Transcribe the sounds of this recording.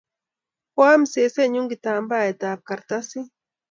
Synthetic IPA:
pwaː˦mse˨se˦ɲʊŋɡit̪a˨mba˦e˨t̪aːp̚kaɾt̪asi˦

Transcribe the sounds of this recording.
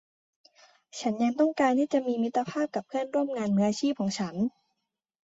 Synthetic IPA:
t͡ɕʰa˦˥nja˧ŋt̪ɔ˥˩ŋkaː˧nt̪ʰiː˥˩t͡ɕa˨˩ʔmiː˧mi˦˥t̪ːa˧pʰaː˥˩p̚ka˨˩p̚ʰɯ˥˩ənɾu˥˩əmŋaː˧nːɯ˦˥ɐ˧t͡ɕʰiː˥˩p̚kʰɔː˩˦ŋt͡ɕʰa˦˥n

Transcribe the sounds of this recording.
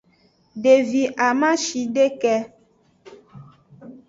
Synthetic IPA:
ɖe˨vi˨ʔa˨mã˦ʃi˨ɖe˦kɛ˦

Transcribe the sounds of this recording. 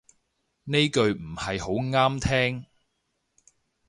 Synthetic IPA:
ne˥jkɵ˧ɥm̩˨˩hɐ˨jɦo˨˥wŋaː˥mt̪ʰɛː˥ŋ

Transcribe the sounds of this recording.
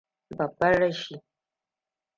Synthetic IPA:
bɐ˨bːɐ˦ɽɐ˦ʃi˦

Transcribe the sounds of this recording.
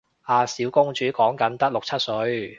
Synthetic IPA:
aː˨˧siː˨˥wkʊ˥ŋt͡ʃyː˨˥kɔː˨˥ŋkɐ˨˥nt̪ɐ˥k̚lʊ˨k̚t͡sʰɐ˥t̚sɵ˨˧˥ɥ

